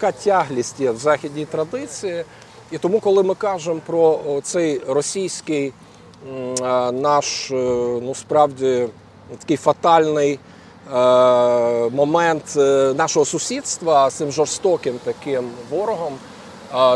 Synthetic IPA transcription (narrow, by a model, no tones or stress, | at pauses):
ɐkɑtʲɑɦlʲisʲtʲjɛwzɑxʲidʲnʲijt̪ɾɐd̪ɪt͡sʲiji | it̪ɔmukɔlˠɪmɪkɑʒempɾɔt̪sɛjrɔsʲijsʲkɪj | nɑʃnuspɾɑwdʲi | t̪ɐ̥kɪjfɐt̪ɑlʲnɪj | mɔmɛnt̪nɑʃɔɦɔsʊsʲid̪st̪ʋɐt̪sɪmʒɔrst̪ɔkɪmt̪ɐkɪmʋɔɾɔɦɔm